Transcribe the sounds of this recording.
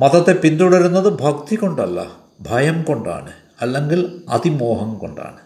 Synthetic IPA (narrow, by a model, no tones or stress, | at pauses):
mɐt̪ɐt̪ːe̞pind̪uɽɐɾunːɐðɨbʱɐkt̪iko̞ɳɖɐlːɐ̰ | bʱɐjɐmko̞ɳɖa̰ːɳɨ | ɐlːe̞ŋɡilɐ̰t̪imoːɦɐmko̞̰ɳɖa̰ːɳɨ